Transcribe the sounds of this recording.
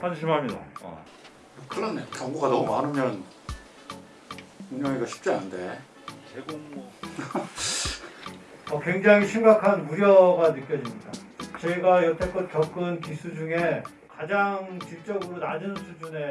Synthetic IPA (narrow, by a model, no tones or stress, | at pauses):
hanɕʰimɦamida̰ | ɯkʰɯɭːanːekjʌŋɡuɡadʌmanɯmjʌn | uɲʌŋeɡaɕʰi̥p̚t͡ɕ͈ia̰nnde̞ | eɡoŋ | ʌkwe̞ŋd͡ʑaŋiɕʰimɡakʰanuɾjʌɡanɯk͈jʌd͡ʑimɲidat͡ɕʌiɡajʌtʰek͈ʌt̚k͈jʌk͈ɯnkisʰud͡ʑuŋe̞ | kad͡ʑaŋt͡ɕiɭt͡ɕ͈ʌɡɯɾonad͡ʑɯnnsʰud͡ʑune̞